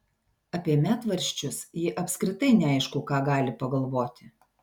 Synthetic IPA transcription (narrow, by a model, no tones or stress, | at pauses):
ɐpʲiɛmʲæːt̪ʋɐɾʲʃʲt͡ʃʲʊsjɪʔɐpʲskɾʲɪt̪ɐɪnʲɛæˑɪʃkʊkɑːɡɑːlʲɪpɐɡɐlˠʋoːt̪ʲɪ